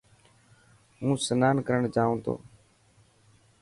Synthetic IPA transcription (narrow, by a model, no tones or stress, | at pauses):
ɦũːsənaːnkəɾəɳd͡ʒaːõːt̪ʰo̰ː